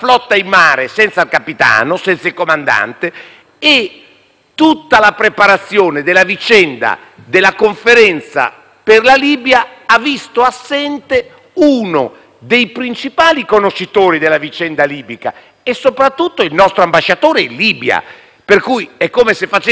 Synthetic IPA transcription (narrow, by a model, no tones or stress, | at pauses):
flɔt̪ːaimːaːɾesɛnt̪salkapit̪a̰ːnosɛnt̪sailkomand̪a̰nt̪eː | t̪ːut̪ːalapɾepaɾat̪sːjoːned̪elːavit͡ʃɛnd̪a̰ | d̪elːakoɱfeɾɛnt̪sa̰ | perlaliːbjaavːist̪oasːɛnt̪e | uːno̰ | d̪ejpɾint͡ʃipaːlikonoʃːit̪oːɾid̪elːavit͡ʃɛnd̪aliːbika̰ | esːopɾat̪ːut̪ːoilnɔst̪ɾoambaʃːat̪oːɾeilːiːbja̰ | perkujɛkːomesefat͡ʃ